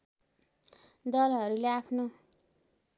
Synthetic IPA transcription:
d̪ʌlɦʌɾuleapʰno

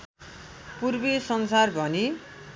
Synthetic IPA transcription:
purbesʌnsarbʱʌni

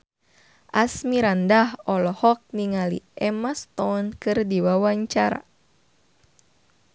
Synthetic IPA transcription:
ʔasmiɾandahɔlɔhɔk̚niŋalḭʔɛmast̪ɔnkɨrdiwawaɲt͡ʃaɾa̰

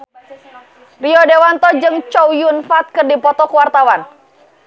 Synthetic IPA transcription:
riɔdewant̪ɔd͡ʒɨŋt͡ʃɔwjunfat̪̚kɨrdipɔt̪ɔkuwart̪awan

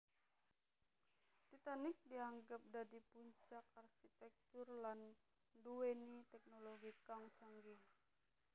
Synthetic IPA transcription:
t̪it̪anɪk̚diaŋɡap̚dadipuɲt͡ʃakarkit̪ɛk̚t̪urlan | duwɛnit̪ɛk̚noloɡikaŋt͡ʃaŋɡiŋ

